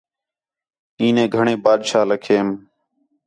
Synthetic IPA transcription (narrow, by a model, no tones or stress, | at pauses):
iːnẽːɡʱəɳẽːbaːd̪ʃaːləkʰeːm